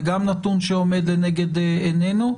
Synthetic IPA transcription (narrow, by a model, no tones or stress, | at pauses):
ɡamnat̪unʃeomed̪leneɡed̪enenu